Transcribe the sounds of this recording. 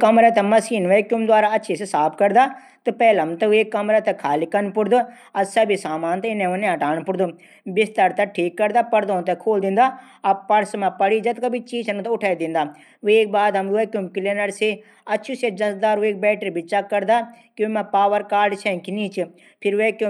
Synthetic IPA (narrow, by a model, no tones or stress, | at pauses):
kɐmɾat̪ɐmɐsiːnʋeːkjumd̪waːɾaɐtːʃʰesisaːpʰkɐɾd̪a | t̪ɨpɛːlɐmt̪ɐʋeːkːɐmɾat̪ɐkʰaːlikɐnpʊɽd̪u | ɐsɐbisaːmaːnt̪ɛɪnẽʋɐnẽɦɐʈaːnpʊɽd̪u | bɪst̪əɾt̪ɐʈʰiːkːɐɾd̪apɐɾd̪õnt̪ɛkʰoːld̪ɪ̃nd̪aː | ɐpɐɽsmãpɐɽid͡ʒɐt̪kɐbit͡ʃiːd͡ʒɐnt̪ʊʈʰaːid̪ɪ̃ːnd̪aː | ʋeːk̚baːd̪ɦɐmʋeːkjumkɪlenɐɾse | ɐtːʃʰũsed͡ʒɐsd̪aːɾueːk̚bɛːʈəɾbɪt͡ʃakːɐɾd̪akjũmãpaːʋəɾkaːɾɖt͡ʃʰɛ̃kiniːt͡ʃʰi | pʰɪɾʋeːkju